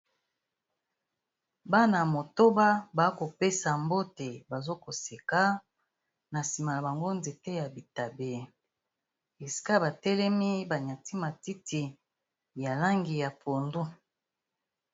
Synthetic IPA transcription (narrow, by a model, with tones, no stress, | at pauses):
ba˦na˨mo˨to˦ba˦ba˨˦ko˨pe˦sa˨mbo˦te˨ba˨zo˦ko˨se˨ka˦ | na˨si˨ma˨la˨ba˨ŋɡo˦nze˨te˦ja˨bi˨ta˨be˨ | e˨si̥˨ka˦ba˨tɛ˦lɛ˦mi˦ba˨ɲa˨ti˦ma˨ti˦ti˨ | ja˨la˦ŋɡi˨ja˨pʰo˨ndu˦